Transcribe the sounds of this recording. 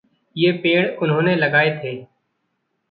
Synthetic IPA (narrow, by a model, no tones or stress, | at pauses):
jeːpeːɽ̃ʊnɦõːneləɡaːet̪ʰeː